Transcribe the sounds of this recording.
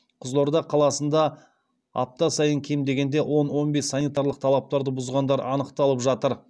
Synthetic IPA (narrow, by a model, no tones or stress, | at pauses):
qʰʊzlˠoɾd̪ɑqʰɑlˠɑsənd̪ɑ | ɑ̰p̚t̪ɑsɑjəɴkʲʰe̞md̪e̞ɡʲe̞nd̪e̞wʔo̞nwo̞nbe̞sːɑnʲijt̪ɑɾlˠəqt̪ʰɑlˠɑp̚t̪ɑɾd̪əbʊzʁɑnd̪ɑɾɑ̰nəqt̪ɑlˠəpʒɑt̪əɾ